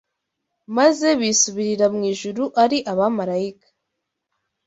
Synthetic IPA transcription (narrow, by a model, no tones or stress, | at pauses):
maze̞βisuβiɾiɾamŋiːʒuɾuʔaɾiʔaβamaɾaikḁ